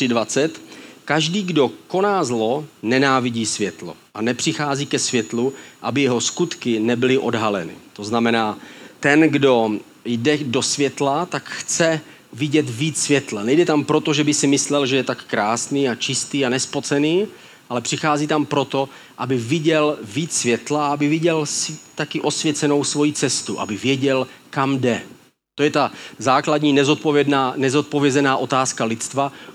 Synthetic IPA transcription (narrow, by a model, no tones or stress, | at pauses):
ɪdvat͡sɛt̪kaʒdiːɡdo̞ko̞naːzlo̞nɛnaːvɪɟiːsvjɛt̪lo̞̰ʔanɛpr̝̥ɪxaːziːkɛsvjɛt̪luʔabɪjɛɦo̞skut̪kɪnɛbɪlɪʔo̞dɦalɛnɪ̰t̪o̞znamɛnaːt̪ɛnɡdo̞ | jdɛdo̞svjɛt̪lat̪akxt͡sɛ | vɪɟɛt̪viːt͡ssvjɛt̪lanɛjdɛt̪ampɾo̞t̪oʒɛbɪsɪmɪslɛlʒɛjɛt̪akːɾaːsniːat͡ʃɪst̪iːanɛspo̞t͡sɛniː | ʔalɛpr̥ɪxaːziːt̪ampɾo̞t̪o̞ | ʔabɪvɪɟɛlviːt͡ssvjɛt̪laaabɪvɪɟɛlst̪akɪʔo̞svjɛt͡sɛno̞wsvo̞jit͡sɛst̪uʔa̰bɪvjɛɟɛlkamdɛ | t̪ojɛt̪azaːkladɲiːnɛzo̞t̪̚povjɛdnaːnɛzo̞t̪̚po̞vjɛzɛnaːʔo̞t̪aːskalɪt͡st̪va